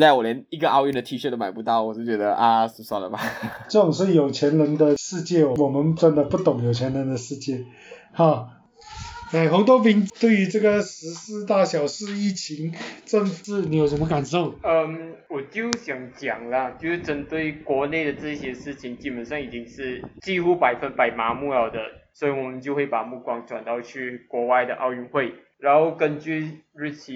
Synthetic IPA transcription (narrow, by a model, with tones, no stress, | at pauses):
t͡sa˥ɪwɔ˨˩ljɛ˧˥ni˧˥ɡə˧ʔɑ˥˧ʊjɛ˥˩nd̪ə˩t̪ʰi˧˥ʂma˨˩ɪpu˧˥t̪ɑ˥˩ʊwɔ˨˩ʂ̩˥˩t͡ɕɥɛ˧˥d̪ə˧ʔa˧ʂ̩˥˩swa˥˩d̪ə̰˨˩ma˨ʈ͡ʂɤ˥˩ʈ͡ʂʊ˨˩ŋʂ̬ɻ̩˥˩jo˨˩ʊt͡ɕʰjɛ˧˥nlə˧˥nd̪ə˧ʂɻ̩˥˧t͡ɕjɛ˥˩wɔ˨wɔ˨˩mə˧˦nt͡swa˥˩nd̪ə˨pu˥˩t̪ʊ˨˩ŋjo˨˩ʊt͡ɕʰjɛ˧˥nɻə˧˥nd̪ə˧ʂɻ̩˥˧t͡ɕjɛ˥˩ | ha˥˩ | a˥˩xə˧˥t̪wɔ˥pi˧˥nt̪we˥˩ɪy˧˥ʈ͡ʂɤ˥˩ɡə˩ʂɻ̩˧˥sɹ̩˥˧t̪a˥˩ɕjɑ˨˩ʊʂɻ̩˥˧i˥˩t͡ɕʰi˧˥ŋʈ͡ʂə˥˧ŋfɻ̩˥˩ni˨˧˥jo˨˩ʊʂə˧˥mə˧ka˨˩nʂo˥˩ʊə˧mwɔ˨˩t͡ɕjo˥˩ʊɕjɑ˨˩ŋt͡ɕjɑ˨˩ŋlə˦t͡ɕjo˥˧ʂ̩˥˩ʈ͡ʂə˨˩nt̪we˥˩ɪkwɔ˧˥ne˥˩ɪd̪ə˩ʈ͡ʂɤ˥˧ɕjɛ˥ʂɻ̩˥˩t͡ɕʰi˨˩ŋt͡ɕi˥pə˨˥nʂɑ˥˩ŋi˨˩t͡ɕi˥ŋʂɻ̩˥˧t͡ɕi˥˧xu˥pa˨˩ɪfə˥˩npa˨˩ɪma˧˥mu˥˩ɑ˨˩ʊd̪ə˧˦swɔ˧˥i˧˩wɔ˨˩mə˨˦nt͡ɕjo˥˧ʊxwe˥˩ɪpa˨˩mu˥˩kwɑ˥ŋʈ͡ʂwa̰˨˩nt̪ɑ˥˧ʊt͡ɕʰy˥˩kwɔ˧˥wa˥˧ɪd̪ə˩ʔɑ˥˧ʊy˥˧ŋxwe˥˩ɪ | ɻa˧˥nxo˥˧ʊkə˥˧nt͡ɕy˥˧ | ɻ̩˥˩t͡ɕʰi˧˥